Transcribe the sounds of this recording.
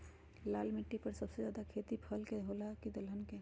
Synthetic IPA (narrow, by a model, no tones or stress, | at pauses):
laːlmiʈːipəɾsəbsed͡ʒjaːd̪akʰet̪ipʰəlkeɦolakid̪əlɦənke